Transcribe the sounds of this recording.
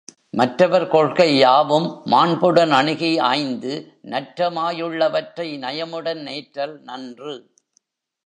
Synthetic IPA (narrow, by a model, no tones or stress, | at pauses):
mɐʈrɐʋɐɾkɔɻkɐɪjaːʋɯmːaːɳbɯɽɐnɐɳɪɣia̰ːjnd̪ɯ | nɐʈːɾɐmaːjɯɭːɐʋɐʈrɐɪnɐjɐmɯɽɐnneːʈɾɐlnɐndrɯ